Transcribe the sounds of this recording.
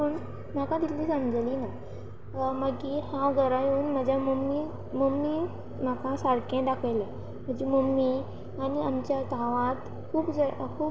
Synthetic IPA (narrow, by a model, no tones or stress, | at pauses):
uːn | m̤akad̪illiːsamd͡zəlina | məɡiːhãwɡəɾajuːnməd͡ʑʱjamomi | momːi | m̤akãsaɽkẽɖakʰajlə | m̤əɳd͡ʑemomːi | añiamt͡ɕjat̪ãʋãt̪ | kʰuːpd͡zakʰuː